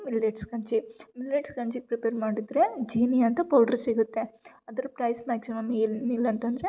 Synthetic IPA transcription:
miljɐʈskɐɲt͡ʃimiljeʈskɐɲt͡ʃiɡ̚pɾipeːɾmaːɖid̪ɾed͡ʒiːnijɐnt̪ɐpɐwɖɐɾsiɡut̪ːe̞ | ɐd̪ɐɾupɾɐjsmaːksimɐmːiːlmiːlɐnt̪ɐnd̪ɐɾe

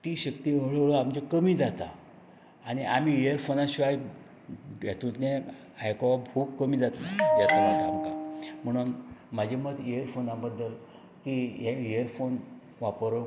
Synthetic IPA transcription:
t̪iːɕəkt̪iːəɭəɭəamd͡ʑekəmiːd͡zat̪a | aɽ̃iʔamiːejəɾfonaɕuaj | jat̪ut̪ne | ajkoʋabʱukkəmiːd͡zat̪najat̪ad͡zat̪aːmkam̤əɽ̃unmad͡ʑʱeməd̪ejəɾfonãbəd̪ːəl | kiːɦeejəɾfon | ʋapɾə

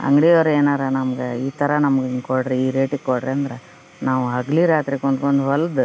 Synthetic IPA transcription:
ɐ̰ŋɡɽijoːɾeːnaːɾɐnɐmɐɡeiːt̪ʰɐɾɐnɐmɡekoɽɾeiːɾeːʈiɡkːoɽɾeɐnd̪ɾe | naːʋuɦɐɡliɾaːt̪ɾikoɳɖkoɳɖuɦɐld̪

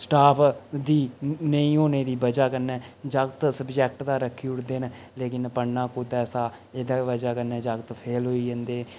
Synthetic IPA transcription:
sʈaːpʰd̪iːnəĩːɦoːneːd̪iːbəd͡ʒaːkənɛːd͡ʒəkt̪səbd͡ʒɛːk̚ʈd̪aːɾəkʰːiʊʈd̪eːn | leːkɪnpəɳnãːkʊd̪ɛːsaː | ed̪aːbəd͡ʒaːkənɛːd͡ʒəɡt̪pʰeːlɦoːiːd͡ʒənd̪eː

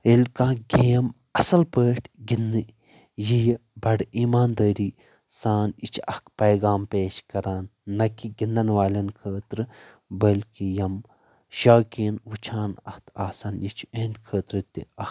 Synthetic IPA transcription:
elʲkãːɡeːm | ɐsɐlpəːʈʰɡinːɨ | jijbɐɖiːmaːnd̪əːɾiː | saːnit͡ʃʰɐkpɐjɡaːmpeːʃkɐɾaːnːɐkiɡind̪ɐnʋaːlʲɐnkʰəːt̪ɾɨ | bɐlkijɐm | ʃaːkiːnʋut͡ʃʰaːnɐ̰ht̪ʰaːsanjit͡ʃʰu̥eːnt̪kʰəːt̪ɾɨt̪iɐ

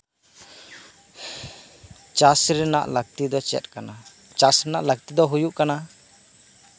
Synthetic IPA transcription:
t͡ʃasɾɛna̰ʔlaɡ̚t̪id̪ɔt͡ʃɛ̰t̪̚ˀkana | t͡ʃasɾɛnaʔlak̚t̪id̪ɔɦujuʔkana

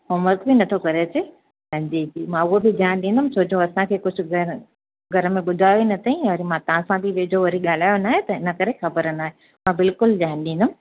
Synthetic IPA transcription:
ɦoːməɾkbɪnɐt̪ʰokɐɾet͡ɕʰe | sɐ̃ɲd͡ʑid͡ʑiːmãʊɦobɪd͡ʑaːñɗĩːn̆d̪ʊmsʰoːd͡ʑõɐsãkʰeːkʊd͡ʑʱʊ̆ɡɐɾ | ɡʱɐɾəmẽɓʊd̪ʱaːjoinɐt̪ʰaĩɐɾimãt̪ɐʋãsãt̪iʋeːd͡ʑoʋɐɾiɠaːl̤aːjonaːɦẽt̪ɐɪnɐkɐɾexɐbəɾənaːɦe | mãbɪlkʊld͡ʑaːñɗĩːn̆d̪ʊm̆

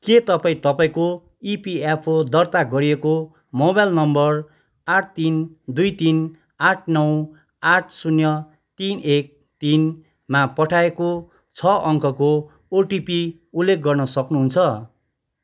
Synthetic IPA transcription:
ket̪ʌpaĩt̪ʌpaĩko | ipiapʰod̪ʌrt̪aɡʌɾieko | mobajlnʌmbʌr | aʈʰt̪ind̪ujt̪in | aʈʰnʌw | aʈʰsunjʌ | t̪inek̚ | t̪in | mapʌʈʰaeko | t͡sʰʌʔʌŋkʰʌko | oʈipi | ulːek̚ɡʌrnʌsʌknuɦunt͡sʰʌ

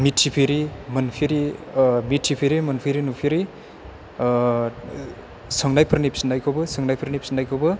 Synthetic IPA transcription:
mitʰːipʰiɾimɐnpʰiɾimitʰːipʰiɾimɐnpʰiɾinupʰiɾi | səŋnajpʰɯɾnipsinajkʰobɯsɯŋnajpʰəɾnipsinajkʰobɯ

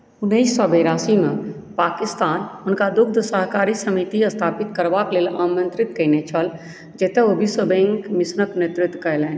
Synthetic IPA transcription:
ʊnːiisːɔːbeːɾaːsimẽpaːkɪst̪aːnʊnkad̪ʊk̚ʰd̪əsəɦkaːɾisəmit̪iɐst̪ʰaːpɪt̪kəɾʋakleːlaːmə̃nt̪ɾɪt̪kəinet͡ʃʰəl | d͡ʒɛːt̪eobʱisəbẽŋkmɪsnəkneːt̪ɾɪt̪ːkɐlɛːn

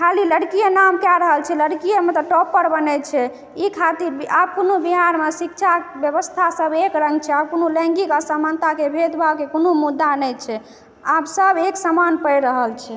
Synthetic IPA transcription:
kʰaliləɽkijanamkjaɾəɦəlt͡ʃʰɛləɽkijəmet̪ɔʈɔpəɾbənɛt͡ʃʰɛ | ikʰat̪iɾbiab̚konobiɦaɾmesik̚t͡ʃʰabjəβəst̪ʰasəbekɾə̃ŋɡt͡ʃʰɛabkonolɛ̃ŋɡikasəmant̪akebʱed̪bʱakekonomud̪ːanɛjt͡ʃʰɛ | absəbeksəmanpəjɾəɦəlt͡ʃʰɛ

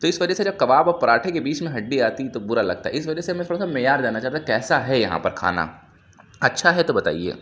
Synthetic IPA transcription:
t̪oɪsʋɐd͡ʒəsed͡ʒɐb̚kɐʋaːbɔːɾpɐɾaːʈʰekebiːt͡ʃmẽɦɐɖːiaːt̪it̪obʊɾalɐ̰ɡ̚t̪a̰ɦɛɪsʋɐd͡ʒəsemɛ̃t̪ʰoːɽasamɛːjaːɾd͡ʒ̪aːnat͡ʃaːɦt̪akɛːsaɦɛjɐɦã̰pɐɾkʰa̰ːna̰ː | ɐtːʃʰaɦɛt̪obɐt̪a̰ːiḛː

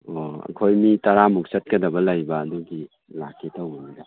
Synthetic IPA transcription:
oɐ̰kʰojmitɐɾamuksɐt̚kɐdɐbɐlajbɐːduɡi | la̰kʰetawbɐnida

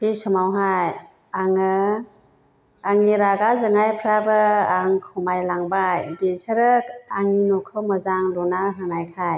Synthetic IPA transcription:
b̥isɔmawɦaj | aŋɯ | aŋiɾaɡazɯŋajpʰɾabɯaŋkʰɯmajlaŋbajbisɯɾɯkaŋinɔkʰɯwmɯzaŋlɔnaɦɯnajkʰaj

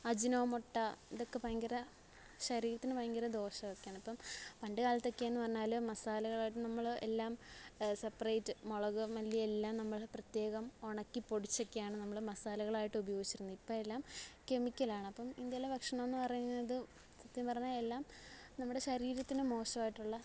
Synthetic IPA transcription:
ɐd͡ʑinoːmoʈːɐiðo̞kːe̞pɐjɐŋɡɐɾɐ | ɕɐɾiːɾɐt̪ːinɨpɐjɐŋɡɐɾɐd̪o̞ːʂɐokːjaːɳɐpːɐmpɐɳɖɨkaːlɐt̪ːokːeaenːɨpɐrɐɲːaːloːmɐsaːlɐɣɐɭaːjiʈːɨnɐmːɐɭḛlːaːmsɐpːɐrɐjtːɨmoɭɐɣɨmɐlːielːaːmnɐmːɐɭprɐt̪je̞ːɣɐmo̞ɳɐkːipo̞ɽit͡ɕːokːejaːɳɨnɐmːɐɭmɐsaːlɐɣɐɭaːjiʈːɨubɐjo̞ːɡit͡ɕːiɾunːuipːoːɭelːaːmke̞mikʲːɐlaːɳɐpːɐmind̪jɐlebɐkʂɐɳɐmonːɨpɐrɐjunːɐðɨ | sɐt̪ːiɐnpɐrɐɲːaːlelːaːmnɐmːuɽeɕɐɾiːɾɐt̪ːinɨmo̞ːʂɐmaːjiʈːuɭːɐ

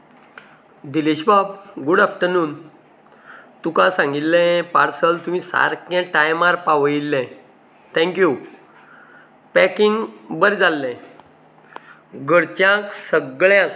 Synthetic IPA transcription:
d̪iliɕbabɡuɽafʈənuːn | t̪ukãsãŋɡit̪ːɛ̃paɾsəlt̪um̤ĩsa̰ɾkɛ̃ʈajmaɾpaʋilːɛ̃ | t̪ʰɛ̃ŋkju | pɛkiŋɡbəɾd͡zalːɛ̃ | ɡəɽt͡ɕjãksəɡɭjãk

